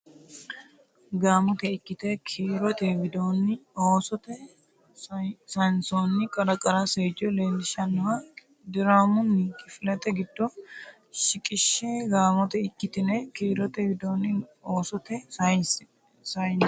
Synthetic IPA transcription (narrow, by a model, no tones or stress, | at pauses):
ɡaːmɔt̪ɛɪkːɪt̪ɛkʰiːɾɔt̪ɛvɪd̪oːnːɪoːsɔt̪ɛ | sɐnsoːnːɪkʼɐɾɐkʼɐɾaseːd͡ʒɔleːlːɪʃɐnːʊwɐ | d̪ɪɾaːmʊnːɪkʼɪfɪlɐt̪ɛɡɪd̪̥ːɔ | ʃɪkʼɪʃːɛɡaːmɔt̪ɛɪkːɪt̪ɪnɛkiːɾɔt̪ɛʋɪd̪oːnɪoːsɔt̪ɛ | sɐjn